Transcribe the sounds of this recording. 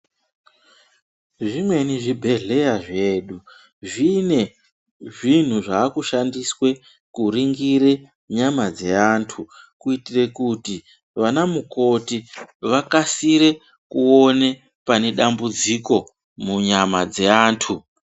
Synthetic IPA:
ʐimwe̞niʐibʱe̞ɮe̞jaʐe̞ːɗu | ʐine̞ | ʐin̤uʐaːkuʃandiswe̞ | kuɾiŋɡiɾe | ɲamad͡ze̞aːntʰu | kuitire̞kuti | ʋanamuko̞tiʋakasiɾe̞ | kuo̞ne̞ | pane̞ɗambud͡ziko̞ | muɲamad͡ze̞aːntʰu

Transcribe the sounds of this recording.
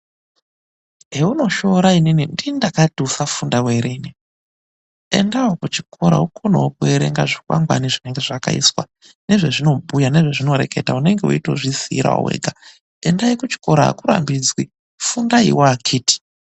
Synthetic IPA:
ɦeuno̞ʃo̞ɾaininindindakatusafundaweɾeːni | e̞̰ndawokut͡ʃi̥kʰo̞ɾa̰ukonowokueɾḛŋɡaʐikwa̰ŋɡwa̰niʐine̞ŋɡe̞ʐakaḭswa̰ | ne̞ʐe̞ʐino̞bʱujane̞ʐe̞ʐino̞ɾe̞̰ke̞taune̞ŋɡe̞ṵito̞̰ʐisiɾa̰o̰wḛɡʱa | endaikut͡ʃi̥ko̞ɾaa̰kuɾa̰mbid͡zwi | fundaḭwaːkʰiːti̥

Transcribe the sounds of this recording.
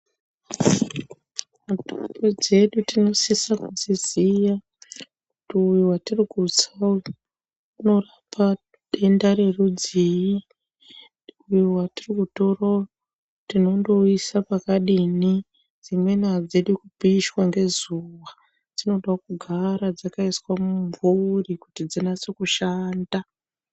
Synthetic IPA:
mutupod͡ze̞ɗutino̞sisakuzizija | kutiujuwatirikut͡sau | uno̞rapa | ɗendaɾerud͡ziji | ujuwatirikuto̞ra | tino̞ndo̞isapakaɗini | d͡zimwe̞nad͡zeɗukupiːʃwaŋɡe̞zuwa | d͡zino̞ɗakuɡʱaɾad͡zakaiswamumvurikutid͡zinat͡sokuʃaːnda

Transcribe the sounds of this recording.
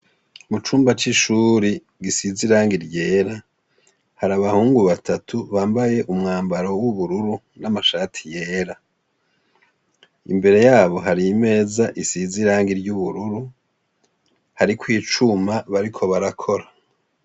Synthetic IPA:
mut͡ʃuːmbat͡ʃiʃuːɾi | ɡisiziɾaːŋɡiɾɟe̞ːɾa | haɾaβahuːŋɡuβatʰatʰuβaːmbaje̞ʔumŋaːmbaɾo̞wuβuɾuɾu | namaʃaːtʰi̥je̞ːɾa | ḭmbe̞ɾe̞jaːβo̞ɦaɾime̞ːzaʔisiziɾaːŋɡiɾɟuβuɾuɾu | haɾikwiːt͡ʃumaβaɾikʰo̞βaɾakʰo̞ɾa

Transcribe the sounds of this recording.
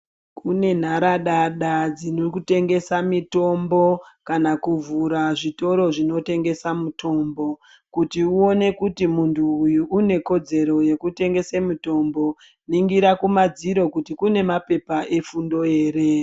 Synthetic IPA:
kʰune̞n̤aɾaɗaɗad͡zinokute̞ŋɡe̞samito̞mbo̞kanakuvuɾaʐito̞ɾo̞ʐino̞te̞ŋɡe̞samutʰo̞mbo̞ | kutiuo̞ne̞kutimuntʰuːjuʔːne̞ko̞d͡ze̞ɾo̞je̞kute̞ŋɡe̞semuto̞mbo̞ | niŋɡiɾakumad͡ziɾo̞kutikune̞mape̞paʔe̞fundo̞e̞ːɾe̞

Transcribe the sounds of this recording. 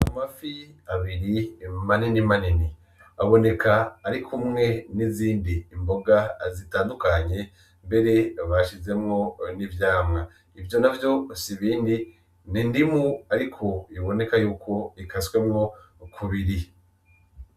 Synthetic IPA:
amafiaβiɾimaninimanini | aβo̞ne̞kʰaːɾikʰumŋe̞niziːndiːmbo̞ɡazitaːndukaɲe̞ | mbe̞ɾe̞βaʃize̞mŋo̞nivjaːmŋa | ivjo̞navjo̞siβiːndi | nindimuaɾikʰo̞iβo̞ne̞kajuːkʰo̞ikaswe̞mŋo̞ | kʰuβiɾi

